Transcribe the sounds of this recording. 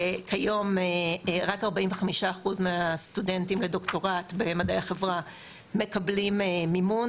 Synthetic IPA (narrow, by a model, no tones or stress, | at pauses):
kʰajo̞meʁakaʁbaʔiɱveχamiʃaːχuzmeastudentimle̞do̞kto̞ʁatbe̞madejaχevʁa | me̞kablimemimun